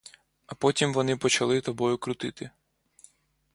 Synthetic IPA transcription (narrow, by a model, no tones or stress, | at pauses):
ɐpɔtʲimʋɔnɪpɔt͡ʃɐlˠɪt̪ɐbɔjʊkɾʊt̪ɪt̪ɪ